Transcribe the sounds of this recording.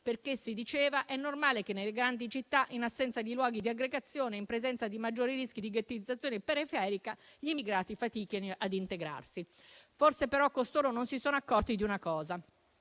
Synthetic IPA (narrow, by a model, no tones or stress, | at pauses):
perkesːid̪it͡ʃɛːvaʔɛnːormaːlekenːeleɡɾand̪it͡ʃit̪ːaʔinasːɛnt̪sad̪ilwɔːɡid̪iaɡɾeɡat̪sːjoːneimpɾezɛnt̪sad̪imad͡ʒːoːɾiɾisk̟id̪iɡat̪ːiid̪zːat̪sjoːnepeɾifɛːɾikaʎiimiɡɾaːt̪ifat̪iːkinoʔad̪int̪eɡɾa̰rsi | forsepeɾɔkːost̪oːɾononsisoːnoakːɔrt̪id̪iunakɔːza